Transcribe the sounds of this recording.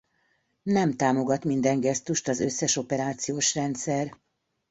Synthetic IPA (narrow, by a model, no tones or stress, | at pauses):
nɛmt̪aːmo̞ɡɒt̪mind̪ɛŋɡɛst̪uʃt̪ɒzøsːɛʃo̞pɛɾaːt̪sijoːʃrɛnt̪sɛr